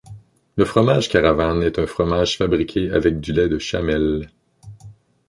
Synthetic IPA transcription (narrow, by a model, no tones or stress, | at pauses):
ləfχɔmaʒkʲaʁavanɛt̪ɛ̃fχɔmaʒ̥fabʁikʲʰea̰vɛk̚d̪ylɛd̪əʃamɛl